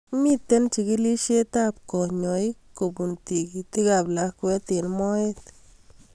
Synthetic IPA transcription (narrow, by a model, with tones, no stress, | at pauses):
mi˦t̪ːe˦nt͡ʃi˧ɡi˦li˦ʃe˦t̪a˦bko˨ɲo˨jko˨bu˨nt̪i˨ɡi˨t̪i˦ɡa˧bla˧˦kwe˦t̪e˨nmo˦e˦t̪